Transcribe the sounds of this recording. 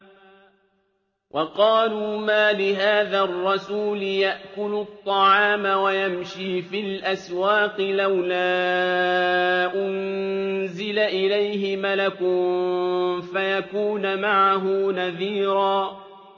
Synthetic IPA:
wʔɑqɑːluːmaːlɪɦaːðarˤːɑsuːlɪjaʔkʊlʊt̪ˤːɑʕɑːmawajamʃiːfɪlʔaswaːqɪlawlaː | ʔʊnzɪlaʔɪlajhɪmalakʊm | fajakuːnmaʕaɦʊnaðiːɾɑː

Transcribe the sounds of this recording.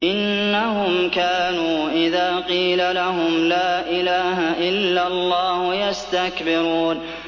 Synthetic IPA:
ʔɪnːaɦʊmkaːnuːʔɪðaːqiːlalaɦʊmlaːʔɪlaːɦaʔɪlːalˤːɑːhjast̪akbɪɾuːn

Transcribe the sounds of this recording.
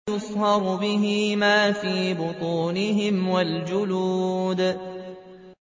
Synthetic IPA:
ʊsˤhɑɾˤʊbɪɦɪmaːfiːbʊt̪ˤuːnɪɦɪmwald͡ʒʊluːd̪

